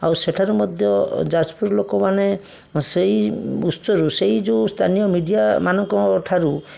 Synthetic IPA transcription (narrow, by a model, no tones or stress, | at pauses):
awseʈʰaɾumɔd̪ʱjɔd͡ʒad͡ʒpuɾlokɔmane | sejusɔɾuseid͡ʒust̪ʰanijɔmiɖijamanɔŋkɔʈʰaɾu